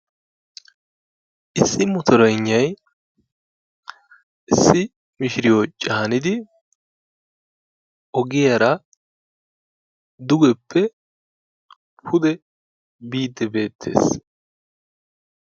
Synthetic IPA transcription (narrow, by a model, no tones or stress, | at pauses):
ʔɪsːɪmɔt̪ʰɔɾɔjɲːɐj | ʔɪsːɪ | mɪʃɪɾɪjot͡ʃʼaːnɪd̪ɪ | ʔɔɡɪjɐɾɐ | d̪ʊɡɛpːɛ | pʰʊd̪ɛ | biːd̪ːɛbe̞ːt̪ʰːe̞̰ːs